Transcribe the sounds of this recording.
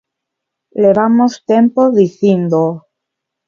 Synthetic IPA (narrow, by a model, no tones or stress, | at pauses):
leβamost̪empoðiθjend̪o